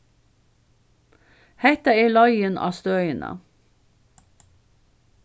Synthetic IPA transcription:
hɛt̪əeːlɑɪənʔɑ̰ːst̪øːʏənʔə̰

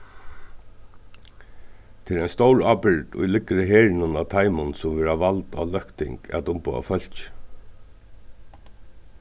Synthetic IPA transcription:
t̪ʰɪlɛjnst̪owɹaːpɪɻt̪ʊ̰jlɪkəɾəɦeːɻɪnʊnat̪ʰajmʊnsʊmvɛːɾaʋalt̪a̰ːlœhkt̪ɪ̰ŋkɛ̰t̪ʊmpʊ̰a̰fœl̥t͡ʃ

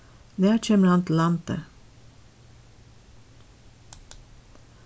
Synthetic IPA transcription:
næːt͡ʃɛməɾɑnt̪lɑnt̪ə̰

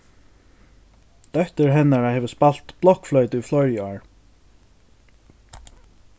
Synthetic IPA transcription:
d̪̥œht̪ɪɹɦɛnːaɹahɛːvəspal̥t̪blɔhkflœɥt̪ɪiflɔɹjaɹ

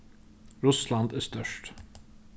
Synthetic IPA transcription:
ɾʊslɑnd̪æːst̪œʃʈ

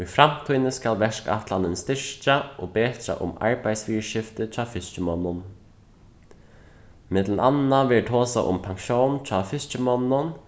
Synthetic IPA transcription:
ujfɾam̥t̪ʰuːjnɪskalʋɛʂka̰ht̪lanɪnst̪ɪʂcaɔbeːt̪ɾa̰ʔʊ̰ma̰ɹpajsfiːɹʃɪft̪ɪt͡ʃaːfɪst͡ʃɪmɔnːʊn | mɪt̪lənʔanːaʋɛɹʈ̪ʰɔːsa̰ʔʊ̰mpʰaŋʃjownt͡ʃʰaːfɪst͡ʃɪmɔnːʊn

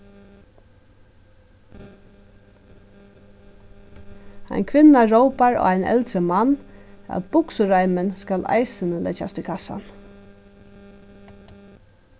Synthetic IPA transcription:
æ̰ɪnkʰʋɪnaɹoʊpaɹo̰ːaɪnɛ̰lt̪ɾəmanɑ̰t̪b̥ʊksəɾaɪmənskala̰ɪsənəlʔɛ̰t͡ʃa̰st̪ʰɪkʰasa̰n

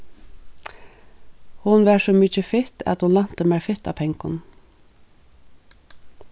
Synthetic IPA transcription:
hʊnʋæsɔmit͡ʃəfɪt̪a̰t̪hʊnlan̥t̪əmæfɪht̪a̰ːpʰɛŋkʊn

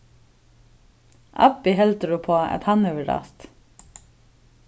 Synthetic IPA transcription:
ʔɑ̰pɪhɛlt̪əɖuːpʰoːɑ̰t̪hɑnœʋəɖɑ̰ːst̪

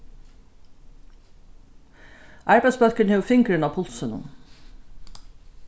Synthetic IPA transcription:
ʔɑɹbæɪd̪sbœlkənhɛːʋfɪŋkɹɪnapʰʊlsənʊ̰n

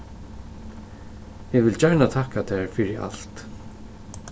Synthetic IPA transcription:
ɛɡʋɪlt͡ɕɛɹnat̪ʰahkat̪ʰɛɹfɪɾɪa̰l̥t̪

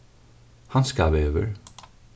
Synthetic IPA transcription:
hɑnskɑːʋøːʋə̰ɹ

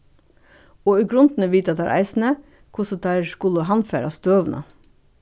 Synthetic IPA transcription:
oːiɡɾʉnd̪n̩əʋiːt̪ɑt̪æ̰ɾʔæ̰ɪsn̩ə | kʰʊsɔd̪æɪɾskʊləɦɑnfæ̰ːɾɑst̪øːʋnʔə̰

